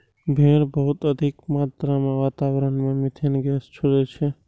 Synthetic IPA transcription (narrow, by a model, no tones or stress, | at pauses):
bʱeɾbəɦʊt̪əd̪ʱikmaːt̪ɾamẽʋaːt̪aʋɾənmemɪt̪ʰenɡɛst͡ʃʰuɾet͡ʃʰɛ